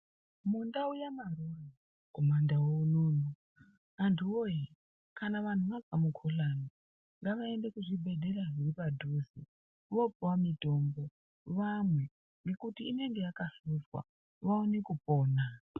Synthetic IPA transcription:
mundaujamarura | komandawoluːn̤u | antʰuwoje | kʰanaʋan̤uʋaɡamukʰolani | ŋɡaʋaende̞kuʐibʱe̞ɗe̞raʐiripadʱuzḭ | ʋo̞puwamitoːmbo̞ | ʋamwe̞ | ŋɡe̞kutiːne̞ŋɡe̞jakasuzwa̰ | ʋaunikupoːna

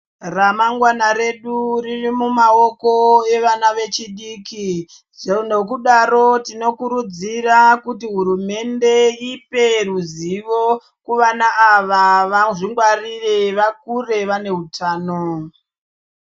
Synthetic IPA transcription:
ramaŋɡwanaɾe̞ɗuririmumaokoe̞ʋanaʋe̞t͡ʃiɗiːki | ʐenok̬uɗaɾo̞tino̞kuɾud͡zirakutiɦuɾume̞nde̞ipe̞ruziʋo̞ | kuʋanaʔːʋaʋaʐiŋɡwarireʋak̚ure̞ʋane̞ɦutʰaːno

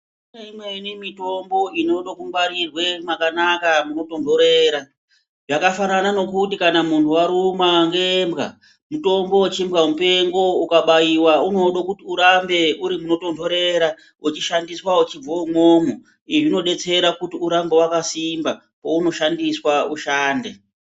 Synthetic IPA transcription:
neimweinemito̞mbo̞ino̞ɗokumbaɾirwe̞makanakamuno̞to̞ndʱoɾe̞ːɾa | ʐakafananano̞kutikanamuntʰuwaɾumaŋɡembɣa̰ | muto̞mbo̞at͡ʃimɣamupe̞ŋɡo̞ukaɓajiwauno̞ɗokutiuɾambe̞uɾimuno̞to̞ndo̞ɾe̞ɾa | ut͡ʃiʃandiswaut͡ʃib͡voumoːmu | iʐino̞ɗe̞t͡se̞ɾakutiuɾambe̞wakasimba | pouno̞ʃandiswauʃaːnde

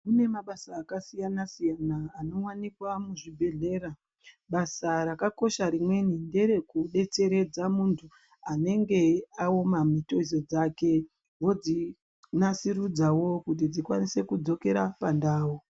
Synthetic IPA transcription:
mune̞maɓasaːkasijanasijanaːno̞wanikwamuʐibʱeɮe̞ːɾa | ɓasaɾakako̞ʃaɾimwe̞ninde̞ɾe̞kuɗe̞t͡se̞ɾe̞d͡zamuntʰu | ane̞ŋɡe̞aomamito̞iz̬o̞d͡zake̞ | wo̞d͡zi | nasiɾud͡zawo̞kut̬id͡zikwanise̞kud͡zo̞ke̞ɾapandaːwu

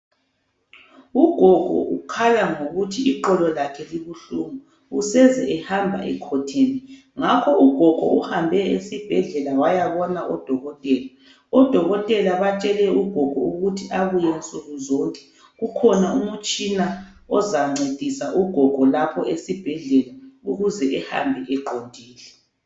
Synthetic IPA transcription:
uɡ̥ʱɔɡ̥ʱɔ̰ʔukʰalaŋoɣutʰiiǃɔlɔlakʰɛliβuɬumɔ | usɛzɛɛhambʱa̰ʔɛ̰kʰɔtʰeːni | ŋakʰɔuɡ̥ʱɔɡ̥ʱɔ̰uhambʱɛesib̥ʱɛɮɛlawajaβɔnaʔɔd̥ʱɔɣɔtʼɛːla | ɔd̥ʱɔɣɔtʼɛlaβat͡ʃʼɛlɛuɡ̥ʱɔɡ̥ʱɔ̰uɣutʰiaɣujɛnt͡sʼuɣuzɔŋkʼɛ̥ | ɣukʰɔnaumut͡ʃʼina | ɔzaŋ͡ǀed̥ʱisaʔuɡ̥ʱɔɡ̥ʱɔlapʰɔesib̥ʱɛɮɛlauɣuzɛʔɛha̰mbʱɛʔɛǃondʱiːlɛ

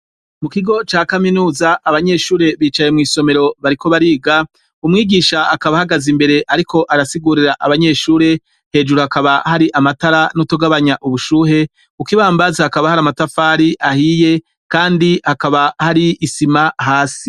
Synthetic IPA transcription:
mukiɡo̞t͡ʃaːkaminuːzaʔaβaɲe̞ʃuːɾe̞βiːt͡ʃaje̞mŋiːso̞me̞ɾo̞βaɾiko̞βaɾiːɡa | umŋiːɡiːʃaːkaβahaɡazimbe̞ɾe̞ʔaɾikʰo̞ʔaɾasiɡuɾiɾaʔaβaɲe̞ːʃuːɾe̞ | he̞ːd͡ʒuɾuhakaβahaɾiʔamataɾanutoɡaβaɲaʔuβuʃuːɦe̞ | ukiβaːmbazahakaβahaɾamatafaːɾiʔahije̞ | kaːndihakaβahaɾiːsimaɦaːsi

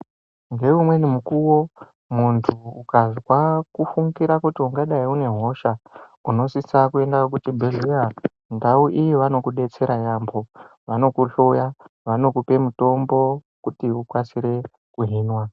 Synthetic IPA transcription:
ŋɡe̞ʋumwe̞nimukuwo̞ | muntʰuukaziwakufuŋɡiɾakutiuŋɡaɗaiune̞ɦo̞ʃauno̞sisakuendajok̬utibʱeɮeja | ndauʔijiʋano̞kuɗe̞t͡se̞ɾajambʱo̞ | ʋano̞kuɬojaʋano̞kupe̞muto̞mbo̞ | kutiukwasiɾe̞ | kuɦiːnwa

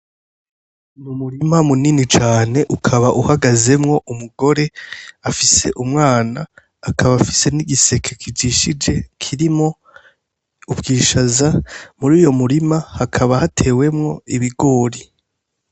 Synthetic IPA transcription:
mumuɾimamuninit͡ʃaːne̞ʔukʰaβaʔuhaɡaze̞mŋo̞ʔumuɡo̞ɾe̞afise̞̰ʔumŋaːnaː | kʰaβafise̞niɡise̞kʰekʰid͡ʒiːʃid͡ʒe̞kʰiɾimŋo̞ | ubɡiːʃazamuɾiːjo̞muɾimahakʰaβahatʰe̞ːwe̞mŋo̞iβiɡo̞ːɾi

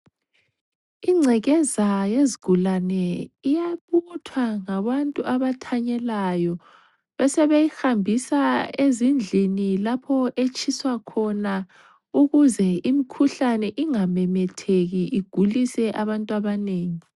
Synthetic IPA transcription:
iŋ͡ǀʱɛɣɛzajeziɡ̥ʱulanɛijaβutʰwaŋaβantʼuʔaβatʰaɲɛlajɔ | βɛsɛβejihambʱisaezind͡ɮʱinilapʰɔʔet͡ʃʰʼiswakʰɔna | uɣuzɛimikʰuɬanɛʔiŋamɛmɛtʰeɣiʔiɡ̥ʱulisɛʔaβantʼuaβaneːŋi

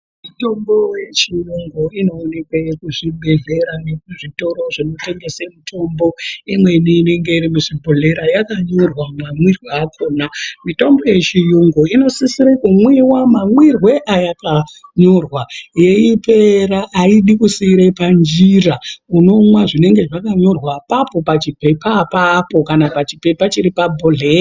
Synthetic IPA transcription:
mito̞mbo̞je̞t͡ʃijuŋɡoino̞ːne̞kwekuʐiɓʱe̞ɮe̞ɾanekuʐito̞ɾo̞ʐino̞te̞ŋɡe̞semitʰo̞mbo̞imwe̞iniːne̞ŋɡe̞iɾimuʐibʱoɮe̞ɾajakaɲo̞rwamamwirweakʰoːnamito̞mbo̞je̞t͡ʃijuŋɡoino̞sisiɾekumwiwamamwirwe̞ʔajakaɲo̞rwaje̞ipe̞ɾaʔːiɗikusiɾepand͡ʒirauno̞mwaʐine̞ŋɡe̞ʐakaɲo̞rwapapo̞pat͡ʃipe̞papapo̞kanapat͡ʃipe̞pat͡ʃiɾipabʱoɮeːra

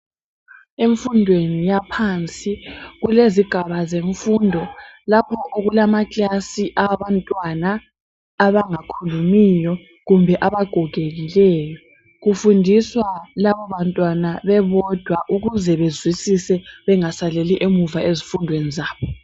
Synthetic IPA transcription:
eɱfundʱwenijapʰant͡sʼiɣuleziɡ̥ʱaβazeɱfuːndʱɔlapʰɔʔoɣulamat͡ɬʼasiʔaβantʼwanaː | βaŋakʰulumijɔ | ɣumbʱɛʔaβaɡ̥ʱɔɡ̥ʱeɣilɛːjɔ | ɣufundʱiswalaβɔβantʼwanaβɛβɔd̥ʱwaʔuɣuzɛβezwisisɛβɛŋasaleliʔemuvaezifundʱwenizaːβɔ

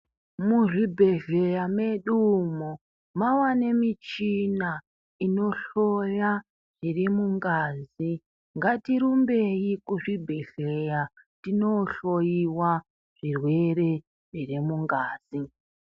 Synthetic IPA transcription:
muʐibʱe̞ɮe̞jame̞ɗumu | mawanemit͡ʃina | ino̞ɬoja | ʐ̥irimuŋɡaːzi | ŋɡatiɾumbe̞ikuʐibʱe̞ɮ̥eja | tino̞ɬojiwa | ʐ̥irwe̞re̞ | ʐirimuŋɡaːz̥i

